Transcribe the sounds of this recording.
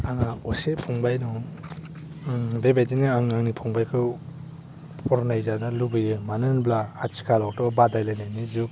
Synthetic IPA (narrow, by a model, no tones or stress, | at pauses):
aŋaɔsepʰɔŋbajnɔ | bebajdinɯaŋaŋnipʰɔŋbajkʰɯw | pʰɔɾnajzanɯlubɯjɯmanɯnblaːt͡ʃʰi̥kʰalɔk̚tɔbadajlajnajnizu